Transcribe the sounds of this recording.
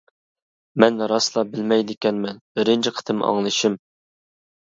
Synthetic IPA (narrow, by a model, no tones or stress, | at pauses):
mɛnɾɑslˠɑbɪlmɛjd̪ɪkʲɛnmɛnɪɾɪnt͡ʃʰɪqʰə̥t̪ʰɨmɑ̰ŋlˠɨʃɪm